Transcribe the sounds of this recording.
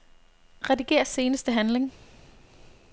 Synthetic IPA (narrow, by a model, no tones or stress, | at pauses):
ʁɛdiɡ̥e̝̰ːɐse̝ːnəsd̥əɦænle̝ŋ